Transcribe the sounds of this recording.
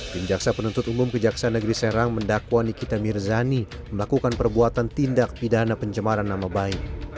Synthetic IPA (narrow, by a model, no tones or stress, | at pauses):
t̪ɪmd͡ʒaksapənunt̪ʊt̪umʊmkəd͡ʒaksanəɡɾisɛɾaŋməndakwanikit̪amirzani | məlakukanpərbuat̪ant̪indak̚pidanapəɲt͡ʃəmaɾanːamabaɪk̚